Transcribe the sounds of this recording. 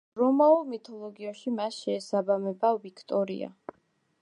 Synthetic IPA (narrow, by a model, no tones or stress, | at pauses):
ɾɔmaulˠmit̪ʰɔlˠɔɡiaʃimasʃɛːsabamɛbavikʰt̪ʼɔɾḭa̰